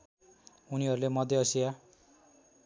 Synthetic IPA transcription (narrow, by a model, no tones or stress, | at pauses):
uniɦʌɾulemʌd̪ʱjʌʌsija